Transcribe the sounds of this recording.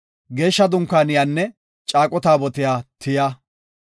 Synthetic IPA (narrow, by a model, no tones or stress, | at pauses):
ɡe̞ːʃːɐd̪ʊŋkːaːnɪjaːnːɛ | t͡ʃʼaːkʼɔt̪aːbɔt̪ɪjaːt̪ʰɪjaː